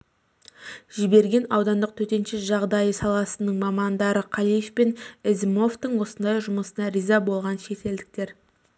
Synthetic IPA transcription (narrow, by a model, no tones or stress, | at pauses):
ʒɪbe̞ɾɡʲe̞nɑwd̪ɑnd̪əq̚t̪ʰɵt̪e̞nʃɪsʒɑʁd̪ɑjəsɑlˠɑsənəɴmɑmɑnd̪ɑɾəqʰɑlˠijefpenɪzmo̞ft̪əɴwo̞sənd̪ɑjʒʊməsənɑɾijzɑbo̞lˠʁɑnʃe̞t̪e̞ld̪ɪk̚t̪e̞ɾ